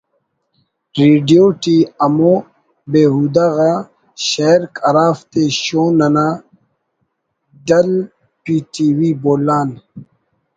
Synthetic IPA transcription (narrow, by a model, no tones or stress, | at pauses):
ɾeɖijoːʈiɐmo | beːɦud̪aɣa | ɕɐɾkʰɐɾaːft̪eɕoːnɐna | ɖɐl | piːʈiwiboːlaːn